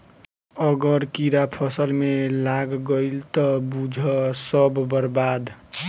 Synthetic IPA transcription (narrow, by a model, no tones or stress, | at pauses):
ʌɡəɾkiɾapʰʌsəlmelaɡɡəɪlt̪ʌbud͡ʒʱʌsʌbʱbəɾbad̪